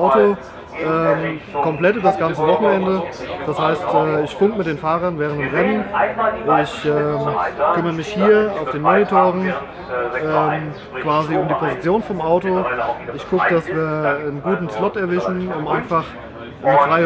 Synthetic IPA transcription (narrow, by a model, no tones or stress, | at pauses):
ʊto | ʔɛːmkʰɔmplɛtybɐasɡ̥ant͡səvɔχn̩ɛndəd̥ashaɪstʔɛːɪçfʊŋkəmɪt̚d̥eːnfaːʁɐnvɛːʁəntɪmʁɛnənʔɪçɛːmkʰʏmɐʁəmɪçhiːɐaʊfd̥eːnmonitʰoːʁən̩ | ʔɛːm | kv̥aːziʊmdiːpʰozit͡sjoːnfɔmʔaʊtoɪçkʊkəd̥asv̥iːɐənɡuːtn̩slɔtɛɐvɪʃn̩ʊmʔaɪnfaχ | ʔfʁ̥aɪ